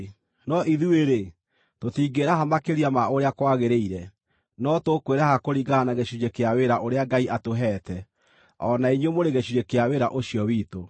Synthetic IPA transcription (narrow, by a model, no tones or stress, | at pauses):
nɔʔiðueɾe | totiːɡeɾaɦamakeɾiamaoɾeakwaɣeɾeiɾɛ | nɔtokweɾahakoɾiɡaanaɣeɕud͡ʑekeaweɾaʔoɾeaɡaiʔatoɦɛːtɛ | ɔnaiɲwemoɾeɣeɕuɾekeaweɾaʔoɕiɔwiːto